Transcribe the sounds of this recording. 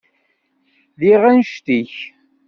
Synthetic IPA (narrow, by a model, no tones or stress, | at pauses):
ðiʁænʃt̪iç